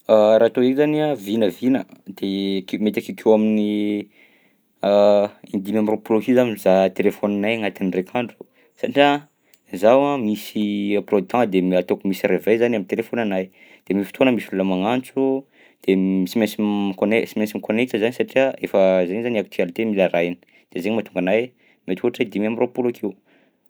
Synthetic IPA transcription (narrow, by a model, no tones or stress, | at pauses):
aɾat̪oekzaniavinəvinəd̪̥ekmet̪akikʰewamini | ind̪imamroploɦizamizat̪elefonanajŋat̪inrekʰaɳɖ͡ʐu̥ | saʈ͡ʂia | zawãmisiaprod̪ɑ̃d̪emat̪okumisiɾevejzanamit̪elefonanaj | d̪̥emifi̥t̪ʰonəmisululəmaŋant͡su | d̪̥emisimesimkonesimẽnsimikonet̪əzanisaʈ͡ʂiaefəzeɲzaniak̚t̪ialit̪emilaɾajni̥ | d̪̥ezeɲmat̪uŋɡanaj | met̪i̥uaʈ͡ʂid̪imamiropulakʰewu